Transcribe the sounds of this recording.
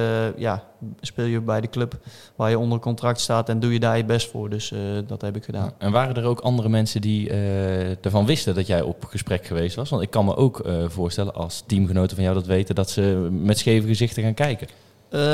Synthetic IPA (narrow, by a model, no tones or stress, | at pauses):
ja | spɪːlˠjəbɛjdəklɵp | ʋaːɹjəɔndərkɔntrɑk̚tstaːtɛndujədaːɹjəbɛstfʊ̰ːɹdɵsdɑtɦɛpɪkχəda̰ːɛnʋaːrədəɹowkɑndərəmɛnsəndiədəɹvɑnʋɪstədɑtjɛjɔ̰pχəsprɛkxəʋejstʋɑsʋɑntɪkːɑnmə̰ʔowkvʊːɹstɛlə̰nʔɑ̰lˠstimɣənowtəvɑnjawdɑtʋejtədɑtsəmɛtsxejvəɣəzɪxtəɣaːnkɛjkə